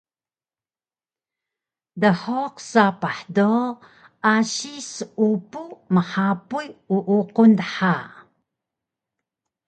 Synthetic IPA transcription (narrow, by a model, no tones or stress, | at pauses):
dəħoqsapaħdo | aɕisupuməħapujuʔuqundħa